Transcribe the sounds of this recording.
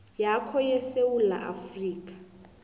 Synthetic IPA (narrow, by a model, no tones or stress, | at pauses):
jakʰɔjɛsewula̰ʔafriːkʼḁ